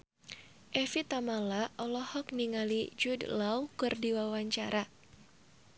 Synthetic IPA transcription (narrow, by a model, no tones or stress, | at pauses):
ʔɛfit̪amalaʔɔlɔhɔk̚niŋalid͡ʒudlawkɨrdiwawaɲt͡ʃaɾa